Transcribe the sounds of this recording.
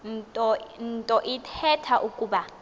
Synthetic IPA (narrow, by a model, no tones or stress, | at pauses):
ntʼɔntʼɔʔitʰɛtʰaʔukʼuːɓa